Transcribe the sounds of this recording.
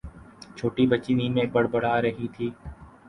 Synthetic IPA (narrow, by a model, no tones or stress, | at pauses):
t͡ʃʰoːʈiːbət͡ʃiniːmẽːbəɽbəɽ̤aːɾəɦiːt̪ʰiː